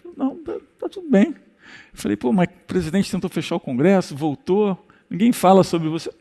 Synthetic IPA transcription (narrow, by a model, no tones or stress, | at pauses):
nɐ̃w̃t̪at̪at̪ud̪ʊbẽj̃ | ewfalḛjpomɐ | pɾezid̪ẽnt͡ʃɪt̪ẽnt̪ofeʃaʊkõŋɡɾɛsʊvowt̪o | nĩŋɡẽj̃falɐsobɾɪvose